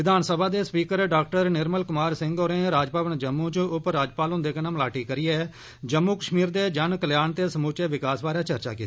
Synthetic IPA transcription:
ɪd̪ʱaːnsəbʱaːd̪eːspiːkəɾɖaːk̚ʈəɾnɪɾməlkʊmaːɾsɪ̃ŋɡoːɾẽːɾaːd͡ʒpaːʋənd͡ʒəmːũːt͡ʃʊpɾaːd͡ʒpaːlʊ̃nd̪eːkənəmlaːʈiːkəɾiːɛː | d͡ʒəmːuːkəʃmiːɾd̪eːd͡ʒənkəljaːnt̪eːsəmuːt͡ʃeːʋɪkaːsbaːɾaːt͡ʃəɾt͡ʃa̰ːkiːt̪ː

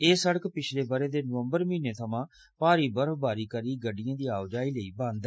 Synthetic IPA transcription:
eːsəɽəkpɪt͡ʃʰleːbəɾeːd̪eːnəʋəmbəɾmĩːneːt̪ʰəmãː | paːɾiːbəɾfbaːɾiːkəɾiːɡəɖɪjãːd̪iːaːʋd͡ʒaːiːləiːbãːnd̪ɛ

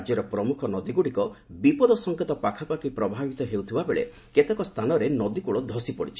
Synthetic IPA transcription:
d͡ʒjɔɾɔpɾɔmukʰɔnɔd̪iɡuɽikɔbipɔd̪ɔsɔŋket̪ɔpakʰapakipɾɔbʱabit̪ɔɦewt̪ʰibabeɭḛ | ket̪ekɔst̪ʰanɔɾenɔd̪ikuɭɔd̪ʱɔsipɔɽit͡ʃʰi̥

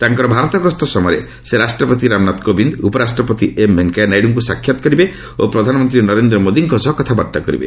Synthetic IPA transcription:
t̪aŋkɔɾɔbʱaɾɔt̪ɔɡɾɔst̪ɔsɔmɔɾḛ | seɾasʈɾɔpɔt̪̬iɾamnat̪kobind̪upɔɾasʈɾɔpɔt̪iʔemːeŋkajnajɖuŋkusakʰjat̪ɔ̥kɔɾibe | opɾɔd̪ʱanɔmɔnt̪ɾinɔɾend̪ɾɔmod̪iŋkɔsɔɦkɔt̪ʰabɔɾt̪akɔɾḭbḛ

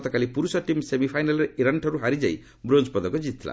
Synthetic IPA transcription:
t̪ɔkalipuɾusʌʈimsemipʰajnalɾeiɾʌɳʈʰʌɾuɦaɾid͡za̰j | bɾond͡zpɔd̪ɔkod͡zit̪ʰːila̰

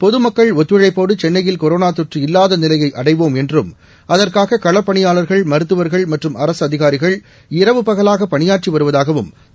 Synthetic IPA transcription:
pɔðɯmɐkːɐɭɔt̪ːʋɯɻɐɪpːoːɽɯt͡ʃɛnːɐjɪlkɔɾoːnaːt̪ɔʈriɪlːaːðɐnɪlɐjɐɪʔɐɽɐɪʋoːmɛndrɯm | ɐðɐrkaːɣɐkɐɭɐpːɐɳɪjaːlɐɾɣɐɭmɐɾɯt̪ːɯʋɐɾɣɐɭmɐʈrɯmɐɾɐsɐðɪɣaːɾɪɣɐɭ | ɪɾɐʋɯpɐɣɐlaːɣɐpːɐɳɪjaːʈ̚t͡ʃiʋɐɾɯʋɐðaːɣɐʋɯm

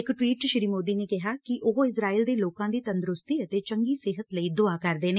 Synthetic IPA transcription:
ɪkʈwiːʈʃɪɾiːmoːd̪iːneːkɪɦaːkɪʔoɦɪsɾaːiːld̪eːloːkãːd̪iːt̪ənd̪ɾʊst̪iːət̪eːt͡ʃəŋɡiːsɪɦət̪ləiːd̪ʊaːkəɾd̪eːneː

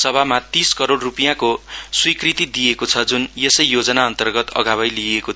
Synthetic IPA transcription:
sʌbʱamat̪iskʌɾoɽrupijãkoswikrit̪id̪ijekot͡sʰʌd͡zunjesʌjːod͡zʌnaʌnt̪ʌrɡʌt̪ʌ̰ɡʱabʌjlieko

